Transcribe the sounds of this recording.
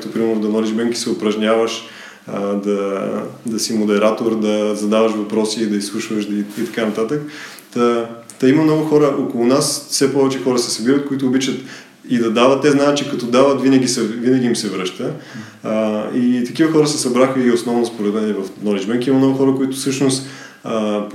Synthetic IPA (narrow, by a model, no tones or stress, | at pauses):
t̪opɾimɛɾnʊd̪ɐnɔlid͡ʒbɛŋkʲi̥sɛʊpɾɐʒnʲavəʃ | əd̪ɐd̪ɐsimod̪ɛɾat̪oɾd̪ɐzɐd̪avɐʃvɐpɾɔsid̪ɐislˠuʃvəʃd̪it̪ɐ̥kanɐt̪at̪ək | t̪ɐ | t̪ɐimɐmnɔɡʊxɔɾəʔokolˠʊnasfsɛpɔvɛt͡ʃɛxɔɾəsɛsɐbiɾət̪̚koit̪ʊːbit͡ʃət̪ | id̪ɐd̪avət̪̚t̪ːɛznaɛt̪̚t͡ʃɛkɐt̪ɔd̪avət̪vinɐɡʲisɛvinɐɡ̟ʲiːmsɛvɾɤʃt̪ə | it̪ɐkivəxɔɾəsɛsɐbɾaxəiosnɔvnɐspoɾɛd̪mɛnɛvɐfnɔnid͡ʒmɛnkʲimɐmnɔɡʊxɔɾəkoit̪ʊ̥fsɤʃnʊst̪ | ə